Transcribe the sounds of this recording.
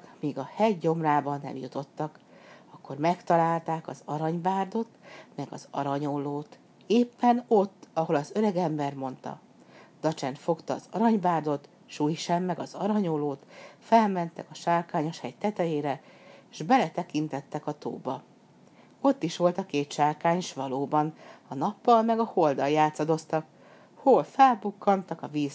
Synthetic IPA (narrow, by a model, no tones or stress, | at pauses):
miːɡɒhɛɟːo̞mraːbɒnːɛ̰mjut̪o̞t̪ːɒk | ɒkːo̞rmɛkt̪ɒlaːlt̪aːkɒzɒɾɒɲbaːrd̪o̞t̪mɛɡɒ̰zɒ̰ɾɒɲoloːt̪ | eːpːɛno̞t̪ːɒɦo̞lɒzøɾɛɡɛmbɛrmo̞nt̪ɒ̰ | d̪̥ɒt͡ʃɛnt̪fo̞kt̪ɒ̰ːzɒɾɒɲbaːrd̪o̞t̪ | ʃuːjʃɛmːɛɡɒzɒɾɒɲoloːt̪fɛlmɛnt̪ɛkɒʃaːrkaːɲo̞ʃhɛɟt̪ɛt̪ɛjeːɾɛʒ̥bɛlɛt̪ɛkint̪ɛt̪ːɛkɒt̪o̰ːbɒ | o̞t̪ːiʃʋo̞lt̪ɒkeːt̪ʃaːrkaːɲʃʋɒloːbɒnɒnɒpːɒlmɛɡɒho̞ld̪ɒljaːt̪sɒd̪o̞st̪ɒk | holfɛlbukːɒnt̪ɒkɒviːz